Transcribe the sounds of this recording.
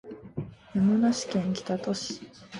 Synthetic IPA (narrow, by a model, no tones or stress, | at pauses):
jamonaɕi̥kẽ̞ŋkʲi̥t̪at̪o̞ɕi̥